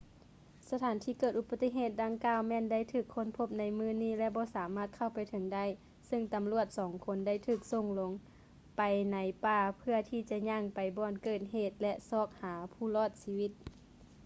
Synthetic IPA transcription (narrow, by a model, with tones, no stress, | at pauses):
sa˧t̪ʰaː˨˦nt̪ʰiː˧˩kɤː˧˩t̪ʔu˧ba˧t̪ːi˧˥ɦeː˧˩t̪̚da˧˩ŋkaː˧˩wmɛː˧˥˨nda˥˨jt̪ʰɯː˧˩kʰːo˧˥˨npʰo˧˥p̚na˧˥jmɯː˧˥˨niː˧˥˩lɛ˧˥bɔː˧˦saː˨˦maː˧˩t̪̚kʰa˧˩wpa˨jt̪ʰɤ˨˦ŋda˥˩˨j | sɯ˧˥˨ŋt̪a˨˦mlu˧˩ət̪̚sɔː˨˦ŋkʰo˧˥nda˧˥˩jt̪ʰɯː˧˩k̚so˧˩ŋlo˧˦ŋ | pa˨jna˨˦jpaː˧˩pʰɯ˧ɐt̪ʰiː˧˩t͡ɕa˧ɲaː˧˥˩ŋpa˨˩jbɔː˧˩nkɤː˧˩t̪̚ɦeː˧˩t̪̚lɛ˧˥ʔsɔː˧˩k̚haː˨˦pʰuː˧˩lɔː˧˩t̪̚siː˧˥wi˧˥t̪̚